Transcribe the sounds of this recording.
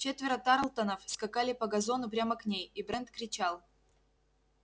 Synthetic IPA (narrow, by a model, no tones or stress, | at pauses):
t͡ɕet̪vʲɪɾət̪aɾlˠt̪ɐnəfskɐkalʲɪpɐɡɐzo̞nʊp̬ɾʲaməknʲejibɾɛnt̪kɾʲɪt͡ɕalˠ